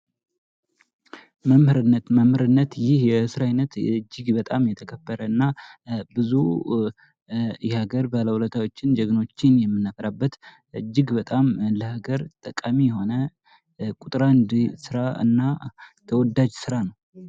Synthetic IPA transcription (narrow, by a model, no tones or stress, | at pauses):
məmhɨɾɨnːət̪məmhɨɾɨnːət̪jɪhjɛɨsɨɾajnət̪ɨd͡ʒːɪɡbət̪ʼamjɛt̪ʰəkʰəbːəɾəɨnːabɨzu | jɛhaɡəɾbaləwulət̪ʰawo̞t͡ʃːɪnd͡ʒəɡɨno̞t͡ʃːɪnjɛmːɨnːəfəɾabːət̪ | ʔɨd͡ʒːɪɡbət̪ʼamləhaɡəɾt̪ʼəkʼamijɛho̞nə | kʼut̪ʼɾand̪sɨɾaɨ̰nːat̪ʰəwɔd̪ad͡ʒsɨɾanəww